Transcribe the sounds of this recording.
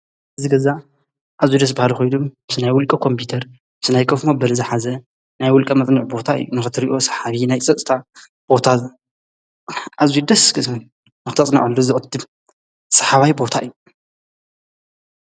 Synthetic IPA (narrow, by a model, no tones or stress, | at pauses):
ɨzɨɡɐza | ʔazud̪ɐs̬bahalixojdumɨsɨnajwʊlkʼɐkʰo̞mpʰut̪ʰɐɾ | bsɨnajkʰɐfmobɐlɐzɨħazɐ | najwʊlkʼɐmɐt͡sʼniʕbo̞t̪ʰaɨ̰jːunɨxɨt̪ʰɨɾiʔo̞sɐ̥ħaβinajt͡sʼɐsʼt̪ʰa | b̥o̞t̪ʰa | ʔazud̪ɐskɨsmɨn | nɨxɨt̪ʰɐt͡sʼna̰ʕulːuzɨʔʼɐd̪ɨb | sɐ̥ħaβajbo̞t̪ʰaʔɨjːu